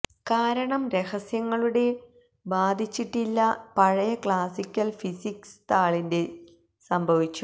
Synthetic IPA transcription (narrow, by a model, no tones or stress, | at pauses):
kaːɾɐɳɐmɾe̞hɐsjɐŋːɐɭuɽe̞ | baːd̪ʱit͡ɕːiʈːilːɐpɐɻɐjɐkɭaːsikʲːɐlfisikst̪aːɭinde̞ | sɐmbʱɐʋit͡ɕːu